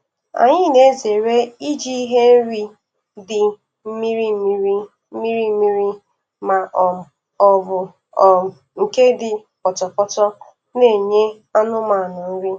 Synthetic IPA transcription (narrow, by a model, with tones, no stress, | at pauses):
a̰˨ɲɪ˦ne˦ze˨ɾe˦i˦d͡ʒi˦i˦ɦe˦n̩˦ɾi˦ | dɪ˨ | m̩˦mi˦ɾi˦m̩˦mi˦ɾi˦ | m̩˦mi˦ɾi˦m̩˦mi˦ɾi˦ | ma˨ʔɔ˨m̩˨ | ɔ˦bʊ˨ | ɔ˨m̩˨ | ŋ̩˨ke˦dɪ˨ | pɔ˨t͡ʃɔ˨pɔ˦tɔ˦ | ne˦˨ɲe˦ | a˦nʊ˦ma˨nʊ˨n̩˦ɾi˦